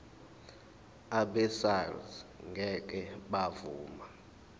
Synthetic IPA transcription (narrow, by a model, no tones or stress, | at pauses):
aɓɛsalzŋɡʱɛk̬ʼɛɓavuːma